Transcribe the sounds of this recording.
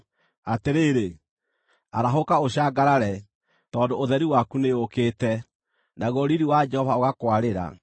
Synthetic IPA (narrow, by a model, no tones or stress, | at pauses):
ateɾeɾe | aɾaɦokaoɕaːɡaɾaɾɛ | tɔːndooðɛɾiwakuneokeːtɛ | naɣɔɾiɾiwad͡ʒɛhɔvaoɣakwaɾeɾa̰